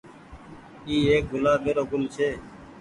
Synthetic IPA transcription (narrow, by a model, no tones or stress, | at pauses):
iːeːk̚ɡʱʊlaːbeːɾoːɡʊlt͡ʃʰeː